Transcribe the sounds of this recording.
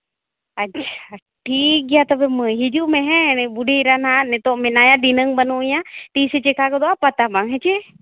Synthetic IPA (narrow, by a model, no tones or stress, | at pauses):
ɐʃʰa | ʈʰik̚ɡijat̪əbemə̃ɦid͡ʒumeɦɛ̃buɖʱeɾananɛt̪oʔmɛnajad̪inəŋbənujat̪iset͡ʃekakɔd̪oapat̪abaŋɦɛt͡ʃe